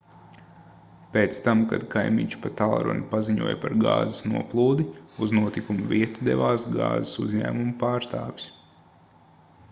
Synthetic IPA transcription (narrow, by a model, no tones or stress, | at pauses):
peːt̪st̪amka̰d̪kʰajmiɲt͡ʃu̥pat̪alˠɾɔ̰nipaziɲuɔjpaɾɡa̰ːzɪsnuɔplˠuːd̪iuznuɔt̪ikumuviɛt̪ud̪ɛ̰ʋaːsɡa̰ːzɪsṵzɲæ̰ːmumupaːɾst̪aːʋis